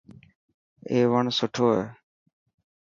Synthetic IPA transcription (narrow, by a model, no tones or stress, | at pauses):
eːʋəɳsʊʈʰoːeː